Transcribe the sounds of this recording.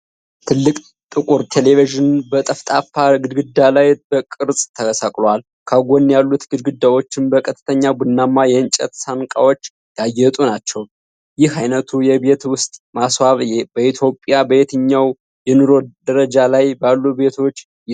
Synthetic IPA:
t̪ʰɨlːɨkʼ | t̪ʼɨkʼuɾt̪ʰe̞le̞viʒɪnbət̪ʼəft̪ʼafaɡɨd̪ɡɨd̪ːalajb̥əkʼɨɾsʼt̪ʰəɡəsakʼlwal | kʰaɡonːjalːut̪ɡɨd̪ɡɨd̪ːawo̞t͡ʃːɪnbəkʼʰət̪ʰɨ̥t̪ʰəɲːabunːamːajɛɨnt͡ʃʼɛ̰t̪sankʼa̰wo̞t͡ʃː | d̪̥ajːɛt̪ʼunat͡ʃːɛw | jɪhajnət̪ʰujɛbe̞t̪wʊst̪ʼmaswaβbəit̪ʰjo̞pʼːjabəet̪ʰɨɲːaw | jɛnɨɾo̞d̪əɾəd͡ʒalajbalːube̞t̪ʰo̞t͡ʃː

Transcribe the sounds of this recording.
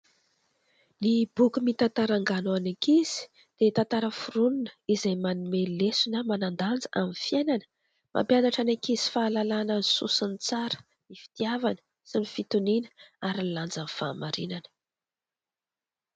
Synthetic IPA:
nibukumit̪ant̪aɾaŋɡanoanikiz̥i̥ | d̪̥et̪ant̪aɾəfuɾununə̥izajmanumelesunəmanand̪and͡zəʔaminfjenanə | mʔa̰mpjanaʈ͡ʂanakizi̥faːlalananisṵsənit͡saɾə̥ | nifi̥t̪iavanə̥ | simifit̪uninəaɾilland͡zanfa̰maɾinanə̥

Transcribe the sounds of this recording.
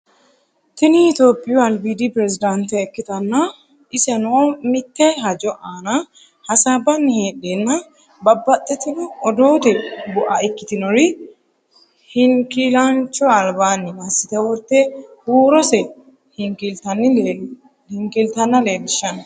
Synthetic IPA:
t̪ɪnɪɪt̪o̞ːpʼːɪjɔɐlbiːd̪ipɾɛsɪd̪ɐnt̪ɛːkːɪt̪ɐnːɐ | ɪsɛnomɪt̪ːɛɦɐd͡ʒɔʔaːnɐ | hɐsaːbɐnːɪheːᶑenːɐ | bɐbːɐt̪ʼːɛt̪ːɪnɔɔd̪oːt̪ɛbʊʔɐɛkːɪt̪ɪnɔɾɪ | hɪŋkilɐnt͡ʃːɔɐlbaːnːɪmɐsːɪt̪ɛwɔɾt̪ːɛhuːɾɔsɛ | hɪŋkɪlt̪ɐnːɪ | hɪŋkɪlt̪ɐnːɐle̞ːlːɪʃːɐnɐ

